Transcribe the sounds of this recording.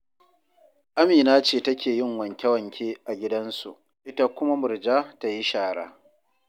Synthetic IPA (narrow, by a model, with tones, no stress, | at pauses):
ʔa˦miː˨naː˦t͡ʃeː˦˨tɐ˦kʲʰeː˨jɪ˦ŋwɐ˨ŋkʲɛ˦wɐ˨ŋkʲʰeː˦ʔa˨ɡʲɪ˦dɐ˦nsṵ˨ʔ | ʔɪ˦ta˦kʷʊ˦ma˦mʊ˨ɾd͡ʒaː˦ta˦ji˦ʃaː˨ɽa̰ː˦